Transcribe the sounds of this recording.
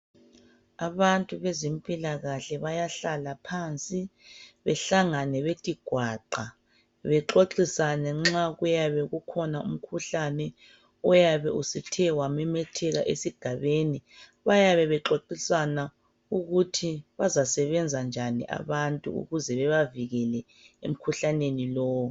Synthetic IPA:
aβantʼuβezimpʼilaɣaɬɛβajaɬalapʰant͡sʼiβɛɬaŋanɛβetʰʼiɡ̥ʱwaːǃa | βɛǁoǃisanɛŋ͡ǁaɣujaβɛɣukʰɔnaṵm̩kʰuɬanɛ | ɔjaβɛusitʰɛwamɛmɛtʰɛɣaʔesiɡ̥ʱaβeni | βajaβɛβɛǁoǃisana | uɣutʰiβazasɛβɛnd͡zʱand͡ʒʱanḭʔa̰βantʼṵṵɣuzɛβɛβaviɣɛlɛ | ḛm̩kʰuɬanenilɔːwɔ

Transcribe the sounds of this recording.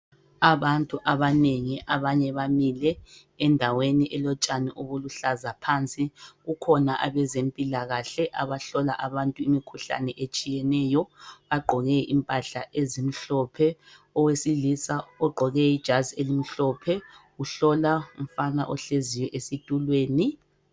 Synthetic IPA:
aβantʼuʔaβaneŋiʔaβaɲɛβamilɛː | ndʱaweniʔɛlɔt͡ʃʼaniʔoβuluɬazapʰant͡sʼiɣukʰɔnaʔaβɛzempʼilaɣaɬɛʔaβaɬɔlaʔaβantʼuimikʰuɬa̰nɛʔet͡ʃʼijɛnɛːjɔβaɡ͡ǃʱɔɣɛʔimpʼaɬa̰ʔezim̩ɬɔpʰɛ | ɔwesilisaɔɡ͡ǃʱɔɣɛid̥ʒ̥ʱazielim̩ɬɔpʰɛɣuɬɔlaum̩fanaʔɔɬezijɔʔesitʼulweːni

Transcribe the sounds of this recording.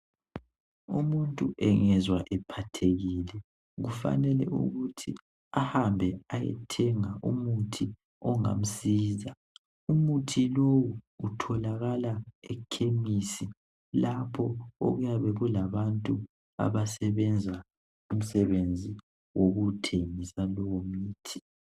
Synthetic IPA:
umuntʼuʔɛŋɛzwaʔɛpʰatʰeɣilɛ | ɣufa̰nɛlɛ̰ʔṵɣutʰḭ | ahambʱɛajɛ̰tʰɛŋaʔumutʰi | ɔŋa̰m̩siːza | umutʰilowuutʰɔlaɣalaɛkʰemisi | lapʰɔo̰ɣujaβɛɣulaβantʼu | a̰βasɛβɛnd͡zʱa | um̩sɛβend͡zʱi | woɣutʰeŋisalɔwomiːtʰi

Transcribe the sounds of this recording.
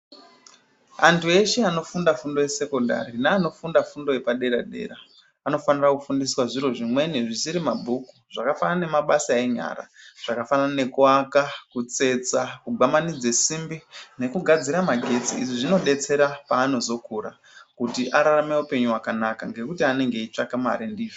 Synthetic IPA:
antʰue̞ʃeano̞fundafundo̞je̞se̞ko̞nda̰ɾinaːno̞fundafundo̞jepaɗe̞ɾaɗe̞̰ɾaː | no̞fanirakufundiswaʐiro̞ʐimwe̞neʐisiɾimabʱukuʐ̥akafanane̞maɓasaeɲa̰ɾa̰ʐ̥akafanane̞kuwakakut͡se̞t͡sakuɡamanid͡zesimbine̞kuɡʱad͡ziɾamaɡʱe̞t͡siiʐiʐino̞ɗe̞t͡se̞ɾapaːno̞zo̞kʰuɾa̰ | kutiʔaɾarameupe̞ɲuwakanakaŋɡe̞kutiane̞ŋɡe̞it͡ʂakama̰ɾindiːʐo

